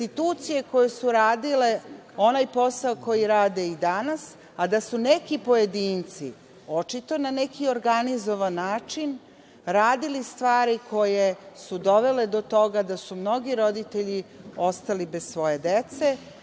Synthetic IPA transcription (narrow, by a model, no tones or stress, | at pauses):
t̪it̪uːt̪sije̞ko̞jesuɾaːd̪ile̞o̞najpo̞saoko̞jiɾaːd̪eid̪anas | ad̪asunekipo̞jed̪iːnt̪sḭ | o̞t͡ʃit̪o̞nanekʰio̞ɾɡanizo̞ʋanːaːt͡ʃin | ɾaːd̪ilist̪ʋaːɾikʰo̞jesud̪o̞ʋele̞d̪o̞t̪o̞ɡad̪asumno̞ɡiɾo̞d̪it̪eʎio̞st̪alibezsʋo̞je̞d̪et̪se